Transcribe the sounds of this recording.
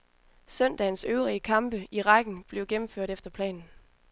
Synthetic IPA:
sœn̰d̥ænsøʊʁiəkʰɑ̈mb̥əiʁɑ̈ɡ̥n̩b̥le̝ʊɡ̥emm̩føɐ̰ɾ̥efd̥ɐpʰlɛ̰ːnn̩

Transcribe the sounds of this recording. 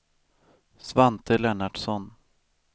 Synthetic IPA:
svant̪ʰəlɛnaɖsɔn

